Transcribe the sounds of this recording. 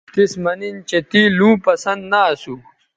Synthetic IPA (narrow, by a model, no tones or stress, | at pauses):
t̪ismɐnint͡ɕet̪ilũːpɐsɐnd̪naːsu